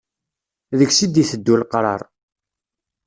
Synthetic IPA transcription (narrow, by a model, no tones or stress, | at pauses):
ðəɡsid̪iθəd̪ːulqɾˤɑ̰ɾˤ